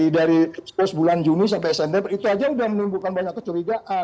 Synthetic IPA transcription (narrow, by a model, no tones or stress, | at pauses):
idaɾispɔsbuland͡ʒunis̬ampɛsɛndɛpit̪uad͡ʒaudahmənimbulkanbaɲakːə̥t͡ʃuɾiɡaʔa